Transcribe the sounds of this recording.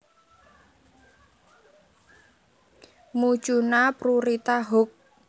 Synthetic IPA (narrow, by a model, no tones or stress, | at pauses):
mu̥t͡ʃunapɾuɾit̪aɦʊk̚